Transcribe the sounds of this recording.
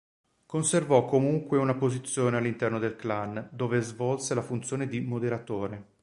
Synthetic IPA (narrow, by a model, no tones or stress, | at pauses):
konservɔkːomuŋkweunapozit̪sːjoːnealːint̪ɛrnod̪elkland̪oːvezvɔlselafunt̪sːjoːned̪imod̪eɾat̪oːɾe